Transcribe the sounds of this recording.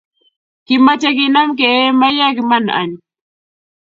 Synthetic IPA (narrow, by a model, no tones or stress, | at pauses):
kɪmat͡ʃakɪnamk̬eeːmajakɪmana̰ɲ